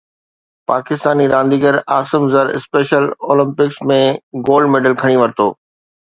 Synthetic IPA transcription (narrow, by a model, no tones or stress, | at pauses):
paːkɪst̪aːniɾãːnd̪iːɡəɾaːsɪmzəɾɪ̰speːʃəloːlɪ̃mpɪksmẽɡoːlɖmeːɖəlkʰɐɽ̃iʋɐɾt̪oː